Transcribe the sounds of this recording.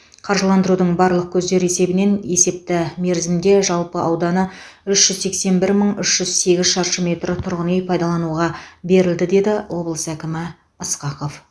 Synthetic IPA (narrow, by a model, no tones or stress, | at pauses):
qʰɑɾʒəlˠɑnd̪əɾud̪əɴbɑɾlˠəq̚kʲʰɵzd̪e̞ɾe̞se̞bɪne̞ne̞se̞p̚t̪ɪme̞ɾzɪmd̪e̞ʒɑlˠpəʔɑwd̪ɑnə | ʏʃʒ̥ʏzse̞kse̞nbɪɾməɴʏʃʒ̥ʏzse̞ɡʲɪzʃɑɾʃəme̞t̪ɾɪt̪ʰʊɾʁənejpʰɑjd̪ɑlˠɑnuʁɑbe̞ɾɪld̪ɪd̪e̞d̪ɪwʔo̞blˠəsækʲɪmɪ | əsqɑqo̞f